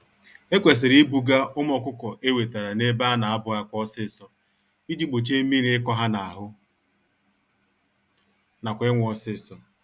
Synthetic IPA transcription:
e˦kʷe˨s̬ɪ˨ɾi˦bu˨ɡa˦ʔʊ˦m˦ɔ˨kʷʊ˦kɔ˨ʔe˦we˨ta˨ɾa˨ne˦ba˦na˨a˦bʊ˨˦a˦kʷɔ˦sɪ˦˨sɔ˦ | i˦d͡ʒi˦ɡ͡bo˨t͡ʃe˦mi˦ɾɪ˦kɔ˦ɦa˦na˨a˨ɦʊ˦ | na˨kʷɪ˦ŋʷ˨ɔ˨sɪ˦˨sɔ˨

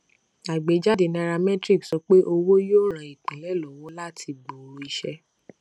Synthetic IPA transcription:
a˨ɡ͡be˨˦d͡ʒa˦de˨nã˧ɾa˧mɛ̃˦tɾi˦˨ksɔ˧˦k͡pe˦ʔo˧wo˦joː˦˨ɾ̃ã˨i˨k͡pĩ˨lɛ˨˦lɔ˨wɔ˦la˦˨tʰi˧ɡ͡bo˨ɾu˧i˧ʃɛ˧

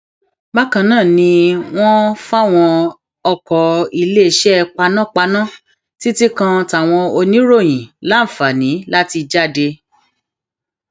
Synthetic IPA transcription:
ba˦kã˧nãː˦˨nĩ˧w̃ɔ̃˦fa˦˨w̃ɔ̃˧ | ɔ˧kɔ˨i˧le˦˧˨ʃɛ˦˧k͡pa˧nã˦˨k͡pa˧nã˦˨ | ti˦ti˦kã˧ta˨w̃ɔ̃˧o˧nĩ˦ɾo˦˨j̃ĩ˨la˦˨fa˨nĩ˨˦la˦ti˧d͡ʒa˦˨de˧

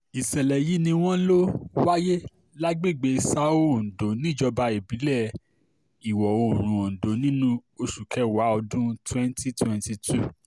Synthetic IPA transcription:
i˨sɛ˨lɛ˨ji˨˦nĩ˧w̃ɔ̃˦lo˦wa˦je˦ | la˦ɡ͡be˦˨ɡ͡be˧˦i˨sa˦o˦˨n̩˨do˨nĩ˦d͡ʒɔ˧ba˧e˨bi˨˦lɛ˦˨ | i˨wɔ˨o˧˨ɾ̃ũ˧˨o˨n̩˨do˨˦nĩ˦nũ˦o˧ʃu˨kʰɛ˦wa˨˦ɔ˧dũ˦twɛ̃˦n˦ti˦twɛ̃˧nti˧tʰu˦˨

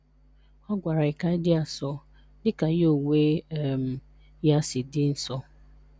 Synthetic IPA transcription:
ɔ˦ɡʷa˨ɾa˨ɪ˨ka˦ɪ˦dɪ˦a˨sɔ˦ | dɪ˦ka˨jo˦˨we˦˨m̩˨ | ja˦sɪ˨dɪ˦n̩˦sɔ˦

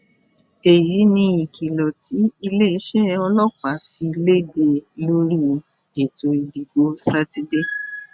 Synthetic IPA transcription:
e˨ji˨˦nĩ˧i˨kʰi˨lɔ˨ti˨˦i˧le˦i˧˦ʃɛ˦ɔ˧lɔ˦˨k͡pa˨fi˧le˦de˧lo˦ɾi˦ | e˨to˧i˧di˨ɡo˧˦sa˦ti˦de˦

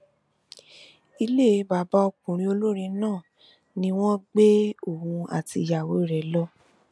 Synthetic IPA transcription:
i˧le˦˨˦ba˨ba˦o˧k͡pũ˨ɾ̃ĩ˦o˧lo˦ɾĩ˧nãː˦˨ | nĩ˧w̃ɔ̃˦ɡ͡be˦o˦˨hũ˧a̰˨ti˧˨ja˨wo˨˦i˦˨ɾɛ˨lɔ˦

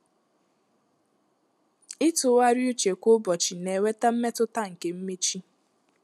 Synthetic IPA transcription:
ɪ˦tʊ˨˦wa˦ɾju˦t͡ʃe˨kʷʊ˦bɔ˨t͡ʃi˨ne˨we˦ta˦m̩˦me˦tʊ˦ta˦ŋ̩˨ke˨m̩˦me˦t͡ʃi˦

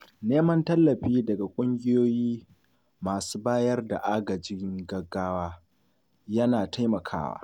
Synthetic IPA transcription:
neː˦mɐ˦ntɐ˦lːɐ˨ɸiː˦dɐ˨ɡa˨kʷʼʊ˦ŋɡʲɪ˦joː˦jiː˦ | maː˨suː˦baː˦jɐ˦rda̰˨ʔaː˦ɡɐ˨d͡ʒɪ˦ŋɡɐ˨ɡːaː˦waː˦ | jɐ˦naː˨tʰa˦jmɐ˨kʰa̰ː˦wa̰ː˦

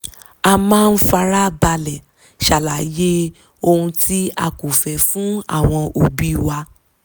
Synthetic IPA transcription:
a˧mãː˦˧n̩˦fa˧ɾa˦ba˧lɛ˨ | ʃa˨la˨je˦ | o˧hũ˧tʰi˦a̰˧ku˨fɛ˨fũ˨˦a̰˦˨w̃ɔ̃˧ʔo˨bi˦˨wa˧

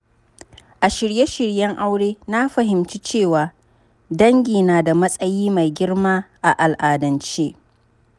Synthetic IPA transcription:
ʔa˨ʃɪ˨ɾje˦ʃɪ˨ɽjɐ˦ŋʔa˦wɽeː˦na˦ɸɐ˨ɦɪ˨mt͡ʃi˦t͡ʃeː˦˨waː˨ | dɐ˦ŋɡʲiː˨naː˨da˨mɐ˦sʼɐ˦jiː˦ma˨jɡʲɪ˦rmaː˦ʔa˨ʔa˨lʔaː˨dɐ˨nt͡ʃeː˦

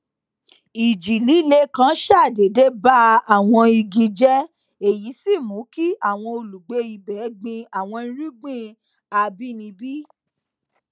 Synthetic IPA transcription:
i˨d͡ʒi˨li˨˦˨le˧kã˧˦ʃa˦˨de˨de˦ba˦a˦˨w̃ɔ̃˧i˧ɡi˧d͡ʒɛ˦ | e˨ji˨˦si˦˨mũ˨˦ki˦a˦˨w̃ɔ̃˧o˧lu˨ɡ͡be˨˦i˧bɛ˨˦ɡ͡bĩ˧a˨w̃ɔ̃˧ñ̩˦ɾi˦ɡ͡bĩ˦ | a˧bi˦nĩ˧bi˦

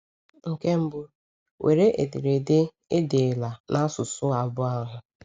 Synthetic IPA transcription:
ŋ̩˨ke˦m̩˦bʊ˦ | wʔḛ˨ɾe˦ʔe˨di˨ɾe˨dɪ˦ | e˦de˨la˨nʔa˦sʊ˨sʊ˦a˨bʊ˦a˦ɦʊ˨

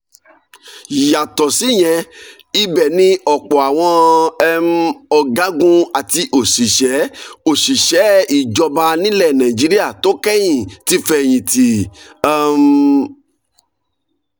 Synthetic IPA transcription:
ja˨tɔ˨si˨˦˨j̃ɛ̃˧ | i˦bɛ˦˨nĩ˦ɔ˨k͡pɔ˨a˨w̃ɔ̃˧ɛ˧m̩˦ɔ˧ɡã˨˦ɡũ˦a˨ti˧ʔo˨ʃi˨ʃɛ˨˦o˨ʃi˨ʃɛ˨˦i˨d͡ʒɔ˧ba˧nĩ˦lɛ˦˨nã˨ĩ˨d͡ʒi˨˦ɾi˦a˦˨to˦kɛ˦j̃ĩ˦˨ti˦fɛ˦˨j̃ĩ˨ti˨a˦˧m

